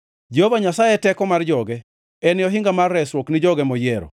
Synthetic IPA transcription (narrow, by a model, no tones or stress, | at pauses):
d͡ʒehovaɲasajɛtɛkɔmard͡ʒɔɡɛ | ɛnɪɔɦɪŋɡamarːɛswoknɪd͡ʒɔɡɛmɔjɛɾɔ̰